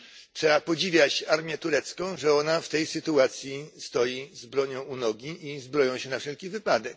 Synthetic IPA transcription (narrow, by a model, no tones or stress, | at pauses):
tʂɛapɔd͡ʑivʲjat͡ɕaɾmʲjɛt̪uɾɛt̪skɔ̃w̃ʐɛɔnaft̪ɛjsɘt̪uat̪sʲjist̪ɔjizbɾɔɲɔ̃w̃unɔɡʲiʔizbɾɔjɔ̃w̃ɕɛnafʂɛlkʲivɘpad̪ɛk̚